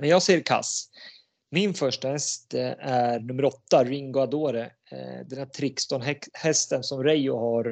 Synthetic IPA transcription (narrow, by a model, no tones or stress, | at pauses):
mɛnjɑːɡsɛjːəɾkʰa̰s | mɪnfœʂʈahɛst̪æɾɳɵmːəɾɔt̪ːaɾɪŋɡʊad̪oːɾə | d̪ɛnæt̪ʰɾɪkst̪ɔnhɛst̪ənsɔmɾɛjʊhaɾ